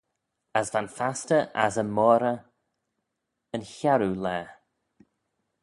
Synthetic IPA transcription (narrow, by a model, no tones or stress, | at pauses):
əsvanfastəʔazəmɔːɾə | ənçaɾulɛː